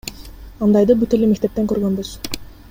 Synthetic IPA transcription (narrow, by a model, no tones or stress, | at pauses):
ɑnd̪ɑjd̪ɯbyt̪elemekt̪e̞p̚t̪eŋkøɾɡønbyz̥